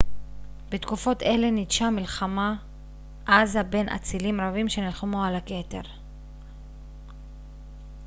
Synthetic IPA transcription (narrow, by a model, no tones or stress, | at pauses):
bet̪kufo̞t̪e̞le̞nidʃamilχama | ʔazabe̞nʔa̰t͡silimʁavimʃe̞nilχamoalake̞te̞̰ʁ